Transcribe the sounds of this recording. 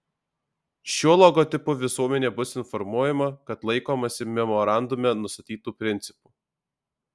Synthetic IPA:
ʃʲuɔlˠɔɡɔːt̪ʲɪpʊʋʲɪsuɔmʲɛnʲeːbʊsɪnfɔɾmuɔjɛmɐkɐt̪lˠɐɪkoːmɐsʲɪmʲɛmɔɾɑˑnd̪ʊmʲɛnʊst̪ɐt̪ʲiːt̪uːpʲɾʲɪnʲt̪sʲɪ̥puː

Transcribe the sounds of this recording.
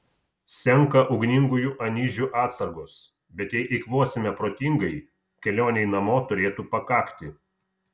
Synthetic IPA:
sʲɛŋˑkɐʔɔʊɡnʲɪŋɡʊjuːʔɐnʲiːʒʲuːʔɑːt̪sɐɾɡos | bʲɛt̪jɛɪʔɪkʋuɔsʲɪmʲɛpɾoːt̪ʲiŋɡɐɪ | kʲɛlʲoːnʲɛɪnɐmoːt̪ʊɾʲeːt̪uːpɐkɑːkt̪ʲɪ

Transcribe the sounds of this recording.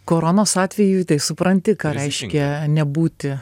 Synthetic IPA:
koːɾonoːsɑːt̪ʲʋʲɛjuːt̪ɐɪsʊpɾɐnʲt̪ʲɪkɑːɾʲɛɪʃʲkʲɛnʲɛbuːt̪ʲɪ

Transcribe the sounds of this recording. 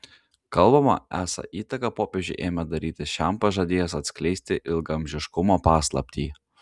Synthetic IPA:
kɐlˠbɐmɐ̰æːsɐ̰ʔiːt̪ɐkɐpoːpʲed͡ʒʲʊɪʔeːmʲɛd̪ɐɾʲiːt̪ʲɪʃʲæˑmpɐʒɐd̪ʲeːjɛsɐt̪ʲsʲkʲlʲɛɪsʲt̪ʲɪʔɪlˠɡɐmʲʒʲɪʃkʊmoːpɑːslˠɐ̰pʲt̪ʲiː

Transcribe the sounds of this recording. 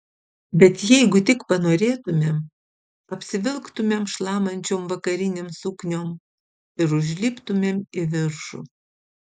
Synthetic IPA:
bʲɛt̪jɛɪɡʊt̪ʲɪkpɐnoːɾʲeːt̪ʊmʲeːm | ɐpʲsʲɪʋʲɪlˠkt̪ʊmʲeːmʃlˠɑːmɐnʲt͡ʃʲoːmʋɐkɐɾʲɪnʲeːmsʊknʲoːm | ɪɾʊʒʲlʲiːpt̪ʊmʲeːmɪʋʲɪɾʃṵː

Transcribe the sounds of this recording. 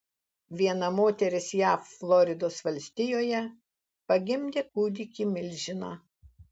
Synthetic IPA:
ʋʲiɛnɐmoːt̪ʲɛɾʲɪsjæːfflˠɔɾʲɪd̪oːsʋɐlʲsʲt̪ʲɪjoːjɛ | pɐɡʲɪmʲd̪ʲeːkuːd̪ʲɪkʲimʲɪlʲʒʲɪnɑː

